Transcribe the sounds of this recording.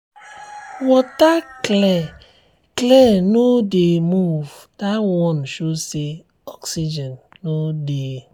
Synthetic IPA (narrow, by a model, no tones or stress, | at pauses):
wɔtaklɛ | klɛnodemuvdawɔnʃose | ɔksid͡ʒɛ̃nːode